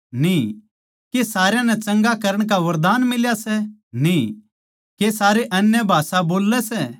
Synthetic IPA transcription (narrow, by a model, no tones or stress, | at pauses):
nĩ | kesaːɾjãnɛt͡ʃɐ̃ŋɡakɐɾəɽ̃kaʋɐɾd̪aːnmɪljasɛnĩ | kesaːɾeʔɐnjəbʱaːsaboːlːɛsɛ